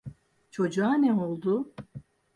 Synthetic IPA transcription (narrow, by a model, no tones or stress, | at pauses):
t͡ʃʰo̞d͡ʒuanɛolˠd̪ʊ